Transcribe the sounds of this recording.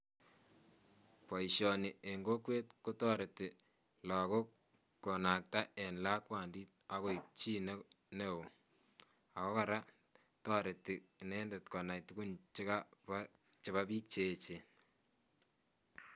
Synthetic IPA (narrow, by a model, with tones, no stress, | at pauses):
pɔ˨iʃɔ˨ni˨e˨ŋɡo˦kwe˦t̚ko˦tɔ˦ɾe˨tɪ˨ | lɔ˨ko˦ | kɔ˨na˨k̚ta˦ʔɛ˨nla˦kwa˨ndi˦t̚a˨ɣo˦˨i˨k̚t͡ʃi˦ne˦ | ne˦o˨ | a˨kɔ˦ka˨ɾa˦ | tɔ˦ɾe˨ti˨nɛ˦nde˨tkɔ˨na˨jtu˦ku˦nt͡ʃɪ˦ka˦pa | t͡ʃe˨βa˦biː˦k̚t͡ʃe˦t͡ʃe˨